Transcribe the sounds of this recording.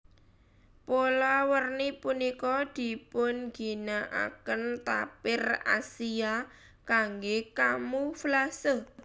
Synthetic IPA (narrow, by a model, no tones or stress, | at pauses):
polɔwərnipunikɔd̪̥i̤pʊnɡ̥i̤naʔa̰kənt̪a̰pɪra̰sia | kaŋɡekamuflasə